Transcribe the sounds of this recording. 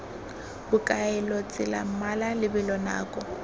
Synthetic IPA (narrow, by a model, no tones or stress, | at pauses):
bʊkʼaɛlɔt͡sʼɪla̰malalɪbɪlɔna̰ːkʼɔ